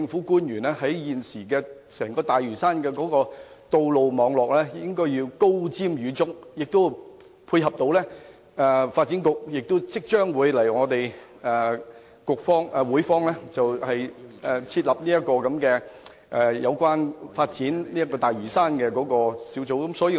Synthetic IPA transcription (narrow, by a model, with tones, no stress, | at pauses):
ɪ˧ŋfuː˨˥kuː˥njyː˨˩nɛː˥hɐ˨˥jjiː˨nsiː˨˩kɛː˧sɛː˨˩ŋkɔː˧t̪aː˨jɥyː˨˩saː˥nkɛː˧kɔː˨˥kɔː˧ | t̪o˧wlo˨wmɔː˨˧ŋlɔː˨˩k̚lɛː˥jɪ˥ŋkɔː˥jjiː˧wko˥wt͡siː˥mɥyː˨˧t͡sʊ˥k̚jɪ˨k̚t̪o˥w | pʰuː˧jɦɐ˨p̚t̪o˨˥wlɛː˥ | ɛ˨fa˧t̚t͡si˨˥nkʊ˨k̚jɪ˨k̚t̪ʊ˥wt͡sɪ˥k̚t͡ʃœː˥ŋwuː˨˧jlɐ˨˩jŋɔː˨˧t̪e˨j | ɛ˨˩ | kʊ˨k̚fɔː˥ŋɛ˨˧wuː˨˥jfɔː˥ŋlɛː˥t͡sɐ˨whɐ˨jʔɛ˨t͡sʰiː˧t̚lɐ˨p̚niː˥jɐ˥t̚kːɔː˧kɐ˨˥mkɛː˧ | ʔɛː˨jɐ˨˧wkʷwaː˥nfaː˧t̚t͡siː˨˥nliː˥jɐ˥kɔː˧t̪aː˨˩jɥyː˨˩saː˥nkɛː˧kɔː˨˥kɔː˧siː˨˥wt͡so˨˥wkɐ˨˥msɔː˨˥ji˧